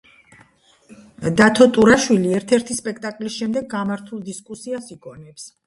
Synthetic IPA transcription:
d̪at̪ʰɔt̪ʼuɾaʃwiliɛɾt̪ʰɛɾt̪ʰispʼɛk̚ʰt̪ʼakʼlisʃɛmd̪ɛɡːamaɾt̪ʰulˠd̪iskʼusiasiɡɔnɛps

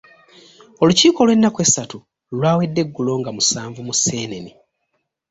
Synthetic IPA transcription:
oluciːko̞lwe̞nːakwe̞satu | lwaːwe̞dːe̞ɡːulo̞ŋɡamusaːɱvumuse̞ːne̞ni

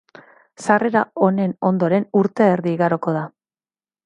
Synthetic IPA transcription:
sare̞ɾao̞ne̞no̞nd̪o̞ɾe̞nuɾt̪e̞ːɾðiːɣaɾo̞ko̞ð̞a

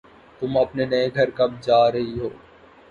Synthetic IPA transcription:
t̪ʊmɐpnenɐeɡʱɐɾkɐmd͡ʒaːɾɐɦiɦoː

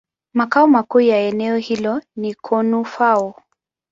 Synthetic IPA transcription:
makaumakuːjaɛnɛɔhilɔnikʰɔnufaɔ

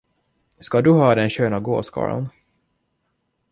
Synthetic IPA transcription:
skad̪ɵɦɑːd̪ɛnɕøːnaɡo̰ːskɑ̰ːɾɔ̰n

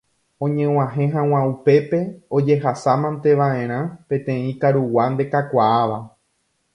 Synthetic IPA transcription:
õ̞ɲẽw̃ãɦẽ̞ɦãw̃ãupe̞pe̞o̞d͡ʒe̞ɦasamãnt̪e̞ʋaẽ̞ɾ̃ãpẽ̞t̪ẽ̞ĩkaɾuwand̪e̞kakʷaaʋa

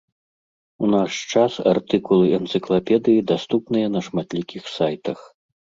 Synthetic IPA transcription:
unaʂt͡ʂasa̰rt̪ɨkulˠɨʔɛnt̪sɨklˠapʲɛd̪ɨjid̪ast̪upnɨjɐnɐʂmat̪lʲikʲixsajt̪ɐx

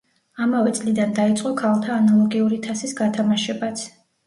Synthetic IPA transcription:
amavɛt̪sʼlid̪and̪ait̪sʼqʼɔkʰalˠt̪ʰaːnalˠɔɡiuɾit̪ʰasisɡat̪ʰamaʃɛbat̪sʰ

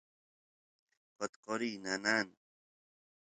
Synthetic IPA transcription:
qot̪qoɾiːnanan

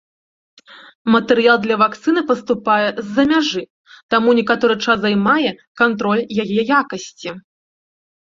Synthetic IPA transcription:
mɐt̪ɛɾɨjalˠd̪lʲɐvakt̪sɨnɨpɐst̪upajɛzʲːɐmʲaʐɨ | t̪amunʲɛkat̪ɔɾɨt͡ʂazajmajɛkant̪ɾɔlʲjajɛjakɐsʲt͡sʲi

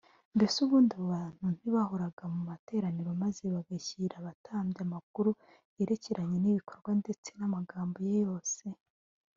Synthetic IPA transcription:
nde̞suβuːndiβoβaːn̥hun̥iβaho̞ɾaɡamumate̞ːɾaniɾomaze̞βaɡaçiɾaβatʰaːmbjamak̚uɾu | je̞ɾe̞ceɾʔaɲe̞niβikʰo̞ɾɡwande̞t͡se̞namaɡaːmbo̞jejo̞ːse̞

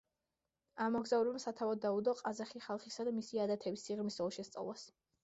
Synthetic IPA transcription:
amɔɡzauɾɛbamsat̪ʰavɔd̪ːaud̪ɔqʼazaχiχalˠχisad̪amisiad̪at̪ʰɛbisːiʁmisɔlˠʃɛst̪sʼa̰vlˠas

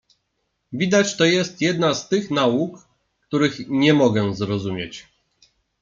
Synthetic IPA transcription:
vʲid̪at͡ɕt̪ɔjɛst̪jɛd̪nast̪ɘxnauk | kt̪uɾɘxɲɛmɔɡɛzɾɔzumʲjet͡ɕ

